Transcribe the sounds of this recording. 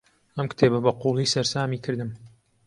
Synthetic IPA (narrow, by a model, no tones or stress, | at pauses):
ɐmkɨ̥t̪ʰeːbɐbɐquːlˠiːsɐɾsaːmiːkʰɨɾd̪ɨm